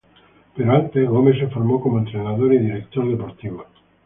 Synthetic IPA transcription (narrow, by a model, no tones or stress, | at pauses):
peɾoant̪elomes̬efoɾmokomoent̪ɾenaðoɾiðiɾek̚t̪oɾðepoɾt̪iβo